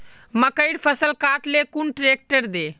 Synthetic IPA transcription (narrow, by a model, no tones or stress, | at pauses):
məkəɪɽpʰəsəlkaʈlekunʈɾek̚ʈəɾd̪e